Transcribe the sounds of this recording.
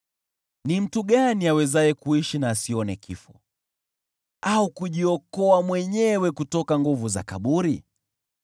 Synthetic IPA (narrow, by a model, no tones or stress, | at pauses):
nim̩tuɠaniawɛzajɛkuiʃinaːsiɔnɛkʰifɔ | aukuʄiɔkɔamwɛɲɛwɛkutɔkaŋɡuvuza̰ka̰ɓuɾi